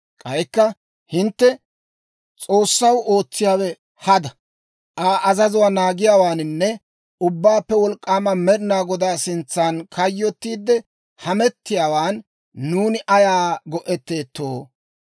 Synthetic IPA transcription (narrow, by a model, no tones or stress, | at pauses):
kʼɐjkːɐ | hɪnt̪ːɛ | t͡sʼo̞ːsːɐwo̞ːt͡sːɪjaːwɛ | hɐd̪ɐ | ʔaːʔɐzɐzʊwaːnaːɡɪjaːwaːnɪnːɛ | ʊbːaːpːɛwɔlkʼːaːmɐmɛɾɪnaːɡɔd̪aːsɪnt͡sːaːnkʰɐjːɔt̪ːiːd̪ːɛ | hɐmɛt̪ːɪjaːwaːnː | uːnɪʔɐjaːɡɔʔɛt̪ːe̞ːt̪ːoː